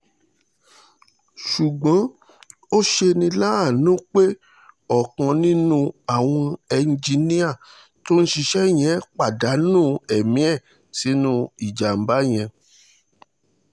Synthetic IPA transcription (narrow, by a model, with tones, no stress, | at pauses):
ʃu˨ɡ͡bã˨˦ | o˦ʃe˧nĩ˧la˦a˦˨nũ˦k͡pe˦ | ɔ˨kã˧nĩ˦nũ˦a˨w̃ɔ̃˧ɛ˧n̩˨d͡ʒi˧nĩ˦a˦˨ | to˦n̩˦ʃi˧ʃɛ˦˨j̃ɛ̃˨˦k͡pa˨da˨˦nũː˦˨ɛ˨mĩ˨˦ɛ˦˨ | si˨˦nũ˦i˨d͡ʒa˨m̩˨˦ba˨˦j̃ɛ̃˧